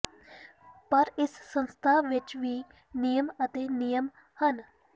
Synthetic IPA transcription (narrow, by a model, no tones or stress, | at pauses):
pɐɾɪsːə̃nst̪ʰaːʋɪt͡ʃʋiː | nijəmət̪eːnɪjəm | hən